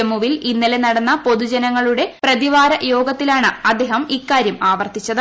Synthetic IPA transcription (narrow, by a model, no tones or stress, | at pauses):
mːuʋilinːile̞nɐɽɐnːɐpo̞ðud͡ʑɐnɐŋːɐɭuɽe̞prɐðiʋaːɾɐjo̞ːɡɐt̪ːilaːɳɨɐd̪eːɦɐmikːaːɾjɐmaːʋɐrt̪it͡ɕːɐðɨ